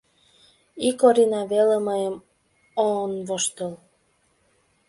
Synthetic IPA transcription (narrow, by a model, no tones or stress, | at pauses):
ikoɾʲinɑβeleməjəm | onβoʃt̪əl